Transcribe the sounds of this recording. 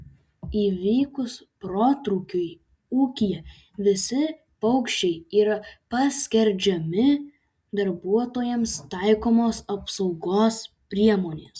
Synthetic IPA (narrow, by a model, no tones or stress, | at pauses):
iːʋʲiːkʊspɾoːt̪ɾuːkʲʊɪ | uːkʲijɛ | ʋʲɪsʲɪ | pɐʊkʃʲt͡ʃʲɛɪiːɾɐpɐsʲkʲɛɾʲd͡ʒʲɛmʲɪ | d̪ɐɾbuɔt̪oːjɛmst̪ɐɪkoːmoːsɐpsɒʊɡoːs | pʲɾʲiɛmoːnʲeːs